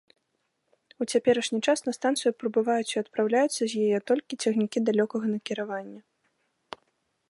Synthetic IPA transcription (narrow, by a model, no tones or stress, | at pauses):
ut͡sʲapʲɛɾɐʂnʲit͡ʂasnɐst̪ant̪sɨjupɾɐbɨvajut͡sʲiɐt̪pɾawlʲajut̪sːɐzʲjajɛt̪ɔlʲkʲit͡sʲɛxnʲikʲid̪alʲɔkɐɣɐnɐkʲiɾavanʲːɐ